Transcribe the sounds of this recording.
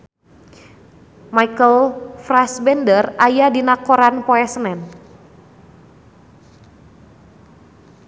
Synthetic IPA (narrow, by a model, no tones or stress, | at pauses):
maikəlfɾasbɛndərajadinakoɾanpoɛsənɛn